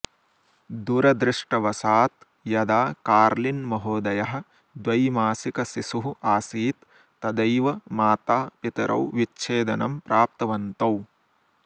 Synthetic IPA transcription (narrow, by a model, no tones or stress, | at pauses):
d̪uːɾɐd̪ɾɪʂʈɐʋɐsaːt̪ | jɐd̪aːkaːɾlinmɐɦoːd̪ɐjɐɦɐ̆ | d̪ʋɐjmaːsikɐsisuɦuaːsiːt̪ː | ɐd̪ɐjʋɐmaːt̪aːpit̪ɐɾʔɐ̰wʋit͡ʃːʃʰeːd̪ɐnɐmpɾʔaːp̚t̪ɐʋɐnt̪ɐw